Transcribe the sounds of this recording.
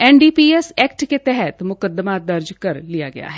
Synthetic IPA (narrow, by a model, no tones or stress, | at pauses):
ɛːnɖiːpiːesɛːkʈket̪ɛɦɛt̪mʊkəd̪əmad̪əɾd͡ʒkəɾlija̰ɡɪ̰ja̰ːɦɛː